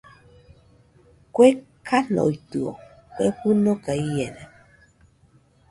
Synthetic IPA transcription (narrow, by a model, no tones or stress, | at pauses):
kwɛkʰanɔ̰ituɔ̰ | kɛpunokaijɛnɛ